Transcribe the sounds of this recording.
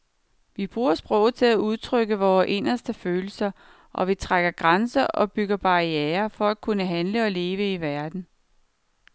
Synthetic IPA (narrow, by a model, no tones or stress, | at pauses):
ʋib̥ʁuːɐsb̥ʁɔʊt͡sʰe̝læʔuð̞ˠt͡sʰʁœɡ̥əʋɒːʔe̝n̰ɐsd̥əføːl̩sɐ | ʔɒ̽ʋit͡sʰʁaɡ̥ɐɡ̥ʁansɐʔɒ̽b̥yɡ̥ɐb̥ɑ̈iɛːɐfɒ̽ækʰunəɦænləɒ̽le̝ːʋəiʋæɐd̥n̩